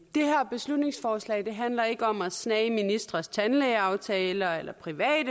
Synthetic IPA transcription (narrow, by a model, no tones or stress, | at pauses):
d̥e̝hæɐ̰b̥e̝slud̥ne̝ŋsfɒːslɛ̰ɪd̥e̝ɦænlɐe̝ɡ̥əɒ̽mæsnɛːɪminisd̥ʁɐst͡sʰænleɪɑ̈ʊt͡sʰɛːlɐelɐpʰʁiʋɛ̰ːd̥ə